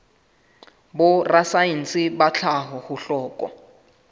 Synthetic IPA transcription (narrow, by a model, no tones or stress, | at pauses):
bʊrasajin̩sɪbat͡ɬʰaɦɔhʊɬɔːkʼɔ̰